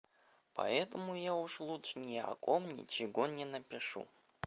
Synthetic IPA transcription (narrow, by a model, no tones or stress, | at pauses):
pɐ̰ɛt̪əmʊjaʊʂlˠutʂnʲɪɐ̰komnʲɪ̰t͡ɕɪɡonʲɪnəpʲɪʂṵ